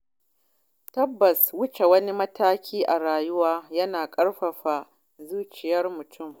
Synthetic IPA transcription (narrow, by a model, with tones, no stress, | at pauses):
tɐ˦bːɐ˨swʊ˦t͡ʃe˨wɐ˦ni˦mɐ˦tʰaː˦kʲʰiː˦ʔa˨ɾaː˨jʊ˦waː˦jɐ˦naː˨kʼɐ˦ɽɸɐ˨ɸa˨ | zuː˦t͡ʃɪ˨jɐ˦rmʊ˨tʰʊ˦˨m